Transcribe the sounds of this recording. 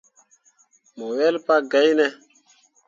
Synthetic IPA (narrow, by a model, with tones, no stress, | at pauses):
mo˨wɛ˦lpa˦ɡa˨˦jnɛ˦